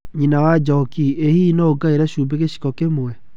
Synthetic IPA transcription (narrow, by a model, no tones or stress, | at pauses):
ɲinawad͡ʒɔkiehiːnɔoɡaeɾɛɕuːbeɣeɕi̥kɔkemoɛ